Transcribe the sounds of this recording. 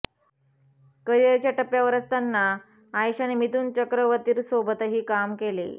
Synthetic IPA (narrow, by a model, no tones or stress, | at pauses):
kəjeɾt͡ɕjaʈəpjaʋəɾəst̪anːaː | jɕanemit̪uːnt͡ɕəkɾəʋət̪iːɾsobət̪əɦiːkamkelḛ